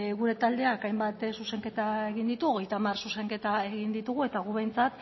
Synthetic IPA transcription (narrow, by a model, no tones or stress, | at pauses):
ɣuɾe̞t̪ald̪e̞akajmbat̪suse̞ŋke̞t̪ae̞ɣind̪it̪uo̞ɣ̞e̞jt̪amarsuse̞ŋke̞t̪ae̞ɣind̪it̪uɣ̞ue̞t̪aɣ̞uβe̞jnt͡sat̪